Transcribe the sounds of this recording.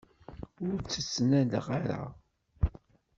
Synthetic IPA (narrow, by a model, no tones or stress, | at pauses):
ʊɾt͡sːət͡sːnælə̰ʁaɾa̰